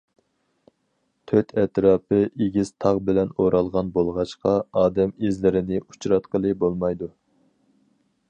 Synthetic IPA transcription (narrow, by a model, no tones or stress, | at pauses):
t̪ʰøt̪ʰɛt̪ɾɑːpɨeɡʲiz̥t̪ʰɑʁbɪlɛnoɾɑlˠʁɑnbolˠʁɑʃqɑɑːd̪ɛmezlɪɾɪnɪʔu̥t͡ʃɾɑt̪qəlˠɨbolˠmɑjd̪u